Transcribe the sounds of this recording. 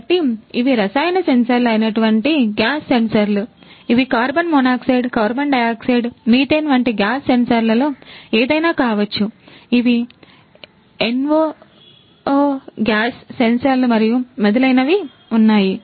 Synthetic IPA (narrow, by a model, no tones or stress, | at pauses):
ʈːiiʋiɾɐsaːjnɐsensɐɾlɐjinɐʈuʋɐɳʈiɡjaːsːe̞nsɐɾluiʋikaːɾbɐnmonaːksiːɖkaːɾbɐnɖɐjaːksiɖmiːt̪eːnʋɐɳʈiɡjaːsːensɐɾlɐloːeːd̪ɐjnaːkaːʋɐt͡ʃːuiʋi | enʋoː | ɡjaːsːe̞nsɐɾlumɐɾijumɐd̪ɐlɐjnɐʋi | unːaːji